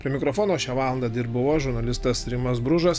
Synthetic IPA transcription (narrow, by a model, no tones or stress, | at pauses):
pʲɾʲiɛmʲɪkɾofoːnoːʃʲæʋɑːlˠɐnd̪ɐd̪ʲɪɾbʊʋoːʒʊɾnɐlʲɪst̪ɐsɾʲɪmɐsbɾʊʒɐs